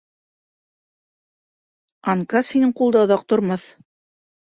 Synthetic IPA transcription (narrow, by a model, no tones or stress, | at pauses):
ɑŋkɑshinɘɴqulˠd̪ɑŏðɑq̚t̪ŏɾmɑθ